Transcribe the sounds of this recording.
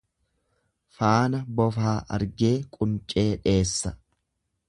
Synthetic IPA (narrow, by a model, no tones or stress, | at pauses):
faːnɐbɔfaːʔɐ̰ɾɡe̞ːkʼʊnt͡ʃʼe̞ːᶑe̞ːsːɐ